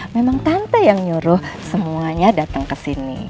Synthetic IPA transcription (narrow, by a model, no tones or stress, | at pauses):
memaŋt̪ant̪ajaŋɲuɾʊhsəmuaɲadat̪əŋkəsinḭ